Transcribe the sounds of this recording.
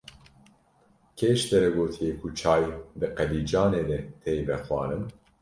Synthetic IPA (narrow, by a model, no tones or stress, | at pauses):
kʰeːʃt̪ɛɾɛɡoːt̪ʰijekʰut͡ʃʰɑːjd̪ɨqɛd̪iːd͡ʒɑːneːd̪ɛt̪ʰejvɛxwɑ̰ːnɨn